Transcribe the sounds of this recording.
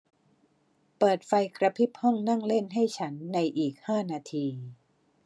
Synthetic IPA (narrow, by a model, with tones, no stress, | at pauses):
pɤː˨˩t̪̚fa˧jkɾa˧pʰi˦˥p̚hɔ˥˩ŋna˥˩ŋle˥˩nɦa˥˩jt͡ɕʰa˦˥nːa˧jʔiː˨˩k̚haː˥˩naː˧t̪ʰiː˧